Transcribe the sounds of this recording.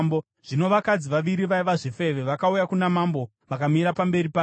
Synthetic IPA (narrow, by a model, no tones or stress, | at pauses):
bo | ʐ̥ino̞ʋakad͡ziʋaʋiɾiʋaiʋaʐife̞ʋe̞ʋakaujakunamambo̞ | ʋakamiɾapambe̞ɾipaː